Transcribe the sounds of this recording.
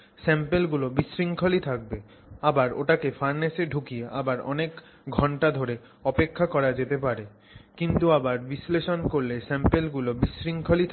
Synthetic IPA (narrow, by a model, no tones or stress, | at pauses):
sɛmpelɡulobisɾiŋkʰolit̪ʰak̚be | abaɾo̰ʈakefaɾneʃeɖʱukieʔa̰baɾɔ̰nek | ɡʱɔɳʈad̪ʱoɾe | ɔpekʰːakɔɾad͡ʑet̪epaɾe | kint̪uabaɾbisleʃonkoɾlesɛmpelɡulobisɾiŋkʰolit̪ʰ